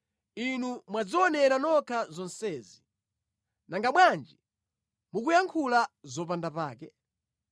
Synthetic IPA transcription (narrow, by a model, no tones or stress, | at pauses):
inumwad͡zɔɔnɛɾanɔkʰazɔnsɛːzi | naŋɡaɓwand͡ʒi | muk̬ujaŋkʰulazɔp̬andapaːkɛ